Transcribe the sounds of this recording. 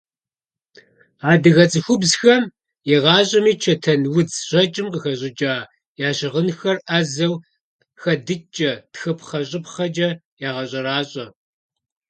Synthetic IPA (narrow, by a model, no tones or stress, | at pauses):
aːdɨɣɐt͡sʼɨxʷʊbzxɐm | jɪʁɑːɕʼɐmiːt͡ʃʰɐtʰɐnwʊt͡sʑ̥ɐt͡ʃʼɪmqəxɐɕʼɪd͡ʒʼaː | jaːɕɪʁənxɐrɐzɐw | xɐdɨt͡ʃʼɐtxɐpʰχɐɕʼɪpχɐd͡ʒʼɐ | jaːʁɐɕʼɐɾaːɕʼɐ